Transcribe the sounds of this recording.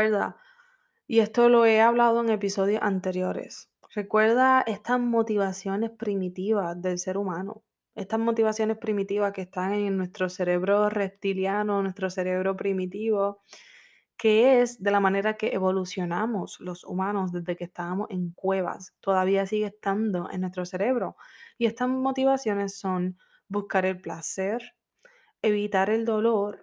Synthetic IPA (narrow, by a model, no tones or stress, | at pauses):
eɾða̰ | ie̞st̪olo̞e̞aβlaðo̞e̞ŋe̞piso̞ð̞jo̞sant̪e̞ɾjo̞ɾe̞̰s | r̥e̞kwe̞ɾðae̞st̪azmo̞t̪iβasjo̞ne̞spɾimit̪iβasðe̞lse̞ɾumãno̰ | e̞st̪azmo̞t̪iβasjo̞ne̞spɾimit̪iβaske̞ːst̪aŋeŋnwe̞st̪ɾo̞se̞ɾe̞βɾo̞re̞p̚t̪iljano̞nwe̞st̪ɾo̞se̞ɾe̞βɾo̞pɾimit̪iβo | ke̞esd̪e̞lamãne̞ɾake̞ʔeβo̞lusjo̞namoslo̞sṵmãno̞sðe̞zðe̞kest̪aβamo̞se̞ŋkwe̞βa̰st̪o̞ðaβiasiɣeːst̪and̪o̞ʔḛnːwe̞st̪ɾo̞se̞ɾe̞βɾo̞ie̞st̪azmo̞t̪iβasjo̞ne̞sːo̞ŋ | buskaɾe̞lplase̞ɾ | e̞βit̪aɾe̞ld̪o̞lo̞ɾ